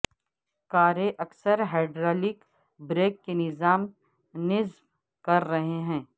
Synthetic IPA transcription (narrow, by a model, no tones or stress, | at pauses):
kaːɾeʔɐksəɾɦaːɖɾaːlɪk | bɾeːkːenɪzaːm | nɪzb | kɐɾːɐɦeɦɛ̃ː